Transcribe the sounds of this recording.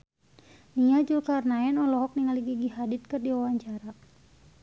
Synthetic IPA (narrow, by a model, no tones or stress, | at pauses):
niad͡ʒulkarnaɛnɔlɔɦɔk̚niŋaliɡiɡiɦadit̪̚kɨrdiawaɲt͡ʃaɾa